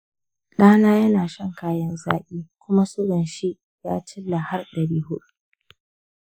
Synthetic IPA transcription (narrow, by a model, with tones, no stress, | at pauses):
ɗaː˦naː˦jɐ˦naː˨ʃɐ˦˨ŋkaː˦jɐ˦nza̰ː˦ʔʲiː˦kʷʊ˦ma˦sʊ˦ɾɐ˨nʃi˦ʔ | ja̰ː˦t͡ʃɪ˦lːa˨ha˦rɗɐ˨ɽiː˦hʊ˦ɗu˦